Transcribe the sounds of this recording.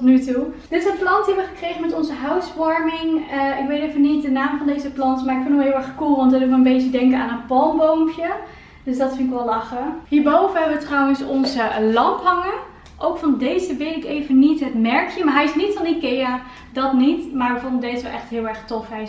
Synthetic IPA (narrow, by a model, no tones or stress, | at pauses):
tɔtnytud̥ɪtɪsənplɑntiɛʋəχəkrejχənmɛtɔnzəɦœwtsʋɑɹmɪŋɪkʋejtefənit̚dənaːmvɑndejzəplɑntmaːɹɪkfɪnɔlˠɦɪːlˠɛɹχkulˠʋɑntɔtɪʋəənbejt͡ʃədɛŋkəna̰ːnənpɑlˠmbowmpjə | d̥øsdɑtfɪnɪkʋɛlˠlɑχəɦiːɹbowvəɦɛbəʋətrɑwənsɔnzəlɑmpɦɑŋə | ʔowkfɑndejzəʋɪtɪkejvənitɦətmɛɹkjəmaːɹɦɛjɪsnitfɑnikea | dɑtnitmaːɹʋəfɔndədejsəʋɛlˠʔɛ̰χtɦɪːlˠɛɹχtɔfɦɛj